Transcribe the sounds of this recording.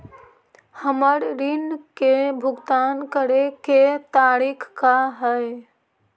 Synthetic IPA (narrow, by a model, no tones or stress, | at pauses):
həməɾɾinkebʱʊɡt̪ankəɾeket̪aɾikʰkaɦəj